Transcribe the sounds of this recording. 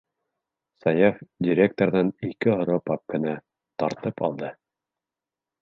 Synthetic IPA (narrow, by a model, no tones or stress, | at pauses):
sɑjɑfdʲɪɾʲek̚t̪oɾðɑnikɘɦŏɾopɑp̚kɘ̆næ | t̪ɑɾt̪ɤpɑ̰lˠd̪ɤ